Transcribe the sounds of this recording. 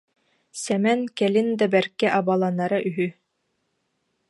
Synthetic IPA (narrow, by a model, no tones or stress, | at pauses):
sɛmɛnkɛlɘnd̪æbɛɾkːɛʔɑbalˠanɑɾaʔyɦy